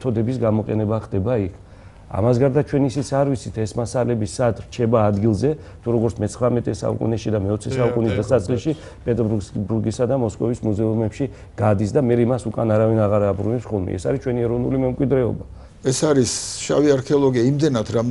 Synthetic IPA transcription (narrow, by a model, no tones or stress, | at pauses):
t̪ʰɔd̪ɛbisɡamɔqʼɛ̰nɛbaχd̪ɛbaikʰ | a̰masɡaɾd̪at͡ʃʰwɛnisit̪sʰaɾvit̪sʰit̪ʰɛsmasalɛbisad̪ʰɾt͡ʃʰɛbaːd̪ɡilˠzɛ | t̪ʰuɾɔɡɔɾt̪sʰmɛt̪sʰχɾamɛt̪ʼɛsa̰ṵkʼṵnɛʃid̪amɛɔt̪sʰɛsaukkʼunisd̪asat̪sʼqʼiʃi | pʼɛt̪ʼbuɾɡisad̪amɔskʼɔvismuzɛumɛpʃi | ɡ̥ad̪isd̪amɛɾɛimasukʼanaɾavinaʁaɾabɾunɛpsχɔlˠmɛ̰ɛ̰saɾit͡ʃʰwɛniɛɾɔvnulimɛmkʼwid̪ɾɛɔ̰ba | ɛsaɾisʃa̰viaɾkʰɛɔlˠɔɡiaimd̪ɛnat̪ʰɾam